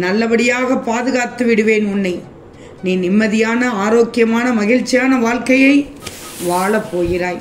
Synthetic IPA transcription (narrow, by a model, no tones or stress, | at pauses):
nɐlːɐʋɐɽɪjaːɣɐpːaːðɯɣaːt̪ːɯʋɪɽɯʋeːnʊnːɐɪ | niːnɪmːɐðɪjaːnɐaːɾoːkːɪjɐmaːnɐmɐɣɪɻt͡ʃːɪjaːnɐʋaːɭkɐjɐɪʋaːɭɐpːoːjɪɾaːj